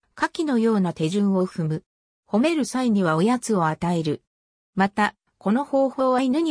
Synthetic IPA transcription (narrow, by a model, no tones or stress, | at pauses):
kakʲino̞jo̞ːnat̪e̞ʑɨ̃ɰ̃o̞ɸɯ̟mɯ̟ | ho̞me̞ɾɯ̟saiɲ̟iβ̞ao̞jat͡sɨo̞at̪ae̞ɾɯ̟ | mat̪a | ko̞no̞ho̞ːho̞ːβainɯ̟ɲ̟i